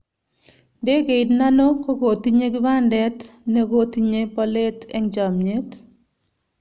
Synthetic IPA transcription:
de˦ɡe˨ɪdna˦no˦ko˦ɡo˨ti˦ɲe˦ɡɪ˦ba˦ndɛ˦tnɛ˦ɡo˦ti˦ɲe˦pɔ˦le˦tɛ˦ŋd͡ʒa˨mɲe˦t

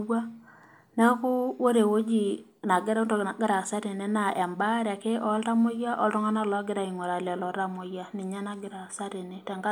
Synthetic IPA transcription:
a˦ | nɛ˦kʊ˦wo˦ɾe˨wo˦d͡ʒi˨ | na˨ɡɪ˦ɾntɔ˨na˨ɡɪ˦ɾa˨sa˦ɾe˨nɛ˦na˨ʔɛ˨mba˦ɾa˨ke˦ʔɔ˦lta˦mʊ˦ja˦ʔɔ˦ltɔ˦ŋa˦na˦˨lɔ˦ɡɪ˦ɾa˨i˨ŋɔ˨ɾa˨la˨lɔ˨ɾa˦˨mo˨ja˦ni˨ɲa˦na˦ɡɪ˦ɾa˨sa˦ɾe˨nɛ˨tɛ˨ŋɡa˦

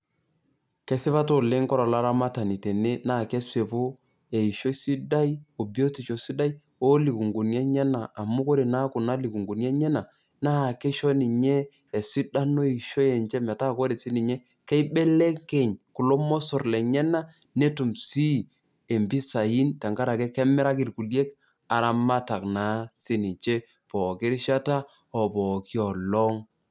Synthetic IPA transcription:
kɛ˦sɪ˦βa˦to˦˨le˦ŋkɔ˦ɾɔ˨la˦ɾa˦ma˦ta˨ni˨te˨ne˦na˦˨kɛ˦swe˨po˦ | ɛ˨i˨ʃo˦si˦da˦i˦o˨bi˨˦o˦ti˨t͡ʃo˨si˦da˦i˦ | o˦li˨ku˨ŋɡu˨njɛ˦ɲɛ˦na˨ʔa˨mu˦ko˦ɾe˨na˦ku˨na˦li˨ku˨ŋɡu˨n˦ɛ˦ɲɛ˦na˨ | na˦˨kɛ˦ʃɔ˦ni˨ɲɛː˦˨ | si˦da˦no˦e˨i˨ʃo˦ɛ˨ɲd͡ʒɛ˦mɛ˨ta˦˨ko˦ɾe˨si˦ni˨ɲɛ˦ | kɛ˦i˦ɓe˦le˦kɛ˨ɲku˨lo˦mɔ˦so˨rlɛ˨ɲɛ˦na˦ | ne˦tu˨msi˦˨ | e˨mbi˦sa˨i˦nta˨ŋɡa˦ɾa˨kɛ˦kɛ˦mɛ˦ɾa˦ki˨ɾku˨lje˦k̚ | a˨ɾa˦ma˦ta˨kna˨˦si˦ni˨t͡ʃe˦ | pɔ˨kɪ˦ɾi˦ʃa˦ta˦ | ɔ˨pɔ˨ki˦ɔ˨lɔ˦ŋ

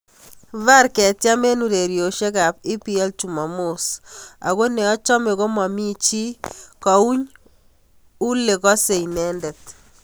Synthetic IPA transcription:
va˦rkɛ˨tja˦me˦nu˨ɾe˨ɾjo˨ʃe˦ka˨pi˦pi˦ɛ˦lt͡ʃu˨ma˨mo˦sa̰˨ɣo˦nɛ˨ɔ˦t͡ʃɔ˦me˨ko˦mɔ˨mi˦t͡ʃi˦kɔ˨u˦ɲ | u˦le˨kɔ˦se˨inɛ˦ndɛ˨t̚

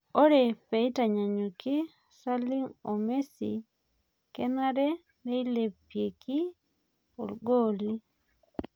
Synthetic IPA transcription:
o˦ɾe˨pe˨i˦ta˨ɲa˨ɲo˨kɪ˦ | sa˦li˦ŋo˨me˦sḭ | kɛ˦na˦ɾɛ˦ | me˦i˦le˨pːje˨ki˦ | o̰˨lɡo˦li˦

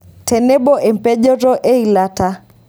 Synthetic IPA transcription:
tʰɛ˨nɛ˦ɓɔ˦ʔɛ˨m˨pɛ˦ʄɔ˦ɾɔ˦ʔɛ˦i˨la˦ta˦

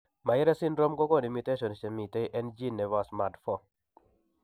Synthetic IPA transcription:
ma˨jɪ˦ɾɛ˦sɪ˦nɾɔ˦mɡɔ˦ɡɔ˦˨ni˨mi˨te˦ʃɔ˨nsɛ˨mi˨te˦jʔɛ˦nd͡ʒi˦nːɛ˨wa˨sma˨dfɔ˦

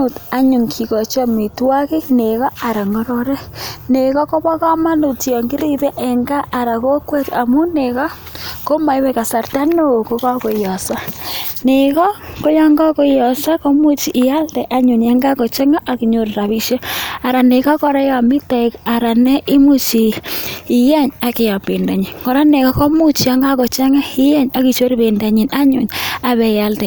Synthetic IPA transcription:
o˨ta˦ɲu˨ŋkʰi˨ɣɔ˨t͡ʃɔ˦mi˨twa˦ɣe˦ne˨ɣɔ˦a˨ɾa˨ŋo˦ɾo˦ɾɛ˦ne˨ɣɔ˦ko˦βɔ˦ɣa˦ma˦no˨ti˨ɔ˨ŋɡi˦ɾi˦ɾɛ˦ʔe˨ŋɡa˦ʔːɾa˨ɣo˦kwe˦ta˨mu˦ne˨ɣa˦ | ko˦ma˨i˦βe˦ɣa˨sa˨ɾta˦no˦˨ko˦ɣɔ˦ɣo˨jɔ˨sa˦ne˨ɣɔ˦ko˦ja˦ŋɡa˦ko˦jɔ˨sa˦kɔ˦mu˦t͡ʃi˨ʔːja˦ltɛ˨ʔa˦ɲu˨ɲja˦ŋɡa˦kɔ˨t͡ʃɛ˦ŋa˦ʔa˨ki˨ɲo˨ɾɾa˨βi˦ʃɔ˦a˨ɾa˨ne˨ka˦kɔ˦ɾa˦ja˨mɪ˦ta˨ka˨ɾa˨nɛ˦ʔi˦mu˦t͡ʃi˨i˨jɛ˦ɲa˨kɪ˨ja˨pi˨nda˨ɲi˨nkɔ˨ɾa˦ne˨kɔ˦kɔ˦mu˦t͡ʃi˨a˦ŋɡa˦kɔ˨t͡ʃɛ˦ŋa˦i˦jɛ˦ɲa˨ki˨t͡ʃo˦ɾbe˨nda˨ɲi˨na˦ɲu˨ɲa˨βɛ˨ja˦ltɛ˨

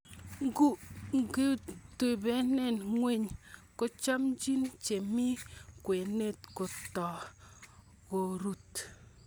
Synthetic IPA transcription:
ŋɡu˦ŋɡi˦tu˨be˦ne˨nŋwe˦˨ɲko˦t͡ʃa˦md͡ʒi˦nt͡ʃe˨mi˦kwe˨ne˦˨tko˨tɔ˨ | ɡo˨ɾu˦t

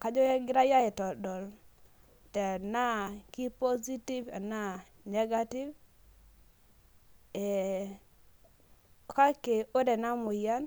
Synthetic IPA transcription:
ka˨˦d͡ʒɔ˦jɛ˦ɡɪ˦ɾa˦ja˦ɛ˨tɔ˨dɔ˨l | tɛ˨na˦ki˦po˦zi˦ti˦vɛ̰˨na˦ | nɛ˦ɡa˦ti˦v | ɛ˨ | ka˦ke˨o˦dɛ˨na˦mʊ˨ja˦n

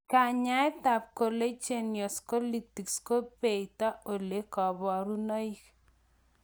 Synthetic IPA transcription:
ka˨ɲa˦ɛ˦ta˨p̚ko˨le˦t͡ʃe˨njɔ˨sko˦li˦˨ti˨ksko˦pe˨i˨ta˦o˨le˨˦kɔ˨bɔ˨ɾu˦no˦i˦k

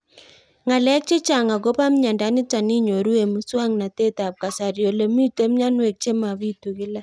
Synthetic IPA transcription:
ŋa˨lɛ˦k̚t͡ʃe˦t͡ʃa˨ŋa˨ɡo˦pa˦m̩˦ɲa˨nda˨˦ni˦ta˨ni˦ɲo˨ɾu˦e˨mu˦swa˦ŋna˨te˦ta˨p̚ka˨sa˨ɾjo˨le˨mi˦te˦m̩ɲa˦nwe˨k̚t͡ʃe˦ma˨βi˦tu˨ɣɪ˦la˦

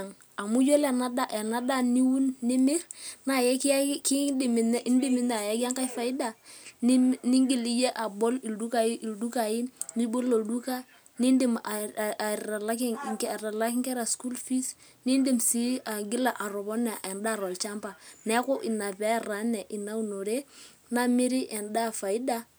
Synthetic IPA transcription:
ŋ | a˨mu˦jo˦lɛ˨na˦da˦ʔɛ˨na˦da˦ni˦wu˦nːɪ˦mɪ˦ɾna˨jɛ˦kki˦di˨mi˨n˦ʔi˦ndi˦mi˦na˨ja˦ka˦ŋka˦jfa˨ɪ˦da˨n˦ni˦ŋɡi˨li˦je˦ʔa˨bɔ˦li˨ldu˦ka˨ji˦ʔi˨ldu˦ka˨jɪ˦ni˦bo˦lo˨du˦ka˦ | ni˦ndi˦m˨ | a˨la˦kɪ˦ŋ˨kɾa˨la˦kɪ˦ŋkɛ˦ɾa˨sku˦lfi˦s | ni˦ndi˦msi˦a˨ɡɪ˦la˨ʔa˨ɾɔ˨bɔ˦nɛ˨ʔɛ˨nda˦˨ɾɔ˨lt͡ʃa˦mba˨nɛ˦ko˦ʔi˨na˨pɛ˦˨ra˨˦nɛ˨ʔi˨na˦u˦˨no˨ɾe˦ | na˦mi˦ɾi˦ʔɛ˨nda˦˨fa˨i˦da˦

